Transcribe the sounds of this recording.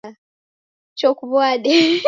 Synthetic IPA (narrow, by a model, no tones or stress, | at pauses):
t͡ʃokuβwaɗe